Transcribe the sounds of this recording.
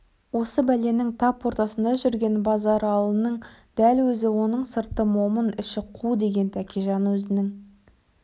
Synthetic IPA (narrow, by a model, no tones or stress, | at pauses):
wo̞səbæle̞nɪŋt̪ʰɑpwo̞ɾt̪ɑsənd̪ɑʒʏɾɡʲe̞nbɑzɑɾɑlˠənəɴd̪̥ælwɵzɪwo̞nəɴsəɾt̪əmo̞mənɪʃɪqʰud̪e̞ɡʲe̞nt̪ʰækʲiʒɑnwɵzɪnɪŋ